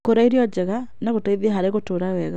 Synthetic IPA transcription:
koɾaiɾiɔd͡ʒɛɣanaɣotaiðiaɦaɾeɣotoɾawɛɣa

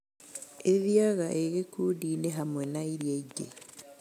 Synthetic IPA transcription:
eðjaɣaʔeɣekudineɦamwenaiɾieɟe

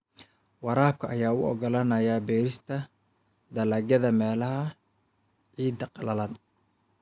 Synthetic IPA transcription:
wɑɾaːp̚kʰɐʔɐjaːʊɔ̰ɡɔlɐnɐjaːbɛːɾɪst̪ʰɐ | d̪ɐlaːɡjɐðɐmɛːlɐɦɐ | ʕiːd̪ɐqlɐlɐn

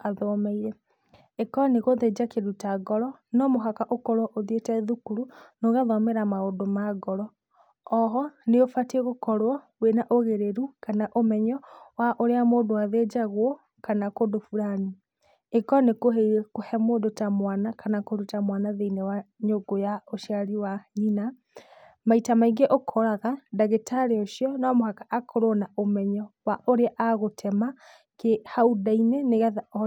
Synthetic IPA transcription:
aðɔmɛiɾɛ | ekɔneɣoðed͡ʑakeɾutaɡɔɾɔnɔmoɦakaʔokɔɾwɔʔoðietɛðukuɾunoɣaðɔmeɾamaodomaɡɔɾɔː | ɦɔneofateɣokɔɾwɔwenaʔoɣeɾeɾukanaʔomɛɲɔwaʔoɾeamoːdoaðed͡ʒaɣwɔ | kanakodofuɾani | ekɔnekoɦeiɾɛkohɛmoːdotamwanakanakoɾutamwanaðeinɛwaɲoɡojaoʃiaɾiwaɲina | maitamaiɡeʔokʰɔɾaɣadaɣetʰaɾeoʃiɔnɔmohakaʔakʰoɾonaomɛɲɔwaʔoɾeaʔaɣotʰɛma | kehaudainɛneɣaðaɔ

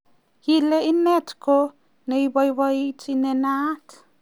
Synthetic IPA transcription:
hileinetko | nejbajβait͡sinenat

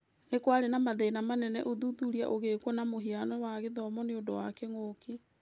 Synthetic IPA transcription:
nekwaɾenamaðenamanɛnɛ̰ʔoðuðuɾia̰ʔoɣekwɔnamoɦianɔwaɣeðɔmɔneondowakɛŋoːki

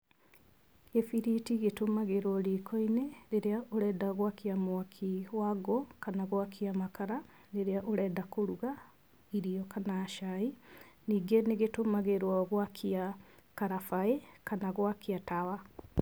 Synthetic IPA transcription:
efiɾitiɣetomaɣeɾwɔɾikʰɔineɾeɾeaʔoɾɛːdaɣwakiamwakʰiwaɣɔkanaɣwakʰiamakaɾa | neɾeaʔoɾɛːdakoɾuɣa | iɾiɔkanaʃainiːɡeneɣetomaɣeɾwaɣwakʰiakaɾafaekanaɣwakiatawa

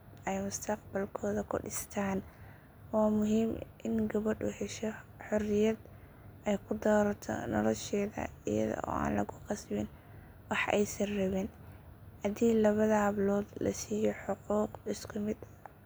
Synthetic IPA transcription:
ɛjmʊst̪ʰɐqbɐlkʰɔːðɐkʰʊ̰ɖɪst̪ʰaːn | wɑːmʊɦiːmʔɪnɡɐβɐɖṵːhɛʃɔħʊrɪjɐd̪ | ʔɛjkʰʊd̪ɔːɾɐt̪ʰɔ̰nɔ̰lɔʃɛːðɐ̰ɪ̰jɐ̰ðɔ̰ɔ̰ːa̰ːnlɐ̰ɣʊqɑsbɪn | wɑħɛ̰jsɐnrɐβɛnhɐd̪iːlɐβɐðɐhɐβlɔːd̪lɐ̰siːjɔħʊquːqɪskʰʊmɪd̪

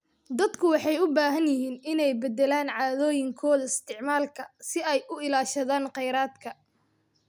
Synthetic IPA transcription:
d̪ɐd̪kʰʊwɑħɑjʊbaːɦɐnjɪɦiːnɪnɛjbɛd̪ɛlaːnʕɑːðɔːjɪŋkʰɔːðɐɪst̪ʰɪʕmaːlkʰɐsɪɛjʔʊɪlaːʃɐðaːnqɛjɾaːd̪kʰɐ

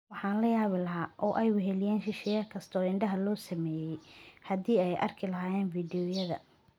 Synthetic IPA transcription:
wɑħɑːnlɐjaːβɪlɐɦaːʔɔːʔɛjwɛɦɛlɪjɛːnʃɪʃɛːjɐkʰɐst̪ʰɔːɪɳɖɐɦɐlɔːsɐmɛːjɛjhɐd̪iːɛjʔɐ̰rkʰɪlɐɦaːjɛːnfiːdɪjɔjɐðɐ̰

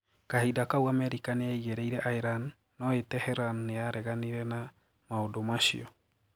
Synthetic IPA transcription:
kaheidakauamɛɾikaneaiɣeɾɛiɾɛʔaeɾanː | ɔetɛhɛɾanːeaɾʔɛɣaniɾɛna | maodomaʃḭɔ

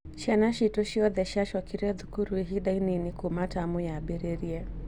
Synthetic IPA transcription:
ʃanaʃitɔʃiɔðɛʃaʃɔkiɾɔðukuɾuiɦiɗaininikumatamujabɛɾeɾiɛ

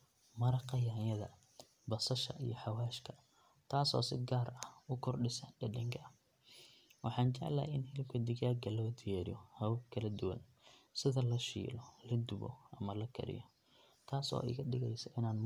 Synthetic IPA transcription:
mɐɾɐqɐjaːnjɐðɐ̰ | bɐsɐʃɐ̰ʔḭjɔħɑwaːʃkʰɐ | t̪ʰaːsɔ̰ːsɪɡaːɾɐhʊkʰɔrɖɪsɐɖɐɖɐŋkʰɐ | wʔɑħɑːnt͡ʃɛʕla̰ːɪnhɪlkʰɐd̪ɪɣaːɡɐlɔd̪ɪjaːɾjɔhɐwbkʰɐlɐd̪ʊwɐ̰n | sɪðɐlɐʃḭːlɔlɐd̪ʊβɔ̰ʔɐmɐlɐkʰɐ̰ɾɪ̰jɔ | t̪ʰaːsɔ̰ːʔɪ̰ɣɐdɪɣɛjsɐʔɪnaːn

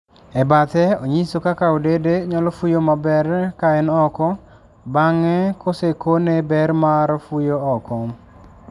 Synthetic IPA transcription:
ɛbat̪ɛoɲisokakaodedeɲɔlɔfujomabɛɾkaɛnɔkɔ | baŋɛkosekonebɛɾmaɾfujoɔkɔ

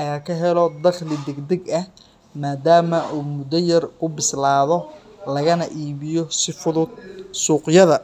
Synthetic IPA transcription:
ħɑjaːkʰɐɦɛlɔd̪ɐχlɪd̪ɛɡd̪ɛɡɐh | maːd̪aːmɐuːmʊd̪ɐjɐrkʊbɪslaːðɔ | lɐɣɐnɐʔiːβɪjɔsɪfʊðʊd̪̚suːqjɐðɐ

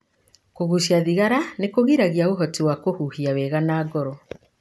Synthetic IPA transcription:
koɣuʃiaðiɣaɾanekoɣiɾaɣiaoɦɔtiwakohuhiawɛɣanaːɡɔɾɔ

